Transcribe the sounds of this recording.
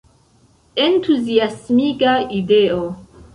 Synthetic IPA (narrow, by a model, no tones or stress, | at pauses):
entuziasmikaideo